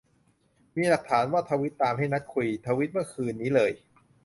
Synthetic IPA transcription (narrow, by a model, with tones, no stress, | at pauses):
miː˧la˨˩k̚t̪ʰaː˩˦nwaː˥˩t̪ʰaː˧wi˦˥t̪ːaː˧mɦa˥˩jna˦˥t̪̚kʰu˧jt̪ʰaː˧wi˦˥t̪̚mɯ˥˩ɐkʰɯː˧nːiː˦˥lɤː˧j